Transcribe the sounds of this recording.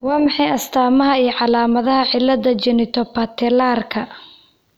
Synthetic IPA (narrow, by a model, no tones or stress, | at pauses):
wɑːmɑħɑjɐst̪ʰaːmɐɦɐijʕɑlaːmɐðɐɦɐʕɪlːɐðɐt͡ʃɛnɪt̪ʰɔpɐt̪ʰɪlaːrkʰɐ